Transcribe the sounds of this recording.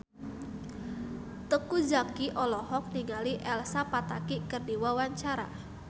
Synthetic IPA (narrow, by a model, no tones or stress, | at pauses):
t̪əkud͡ʒakiʔɔlɔɦɔk̚niŋaliʔɛlsapat̪akikərdiwawaɲt͡ʃaɾa̰